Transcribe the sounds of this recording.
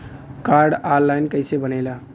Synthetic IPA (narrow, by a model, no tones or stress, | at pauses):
kaɾɖaɾlajnkəjsebənəjla